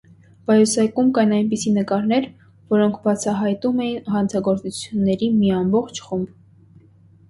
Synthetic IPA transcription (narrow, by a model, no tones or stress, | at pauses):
bɑjusɛkumkɑjnɑjnp̬isinəkɑɾnɛɾ | vɔɾɔŋkʰbɑt͡sʰɑɦɑjt̪umɛjinɦɑnt͡sʰɑɡɔɾt͡sut͡sʰjunːɛɾimiɑmbɔχt͡ʃʰχumb